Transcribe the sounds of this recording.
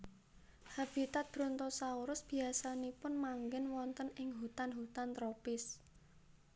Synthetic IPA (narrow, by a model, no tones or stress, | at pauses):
hab̥it̪at̪̚b̥ɾɔnt̪ɔsauɾʊsb̥i̤asanipʊnmaŋɡɛnwɔnt̪ənɪŋɦut̪anɦut̪ant̪ɾopɪs